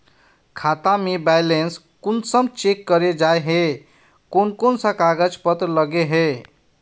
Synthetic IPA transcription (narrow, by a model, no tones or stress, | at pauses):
kʰat̪amebajlens | kunsəmt͡ʃekːəɾed͡ʒaeɦe | konkonsə̃kaɡəd͡ʒpət̪ɾləɡeɦe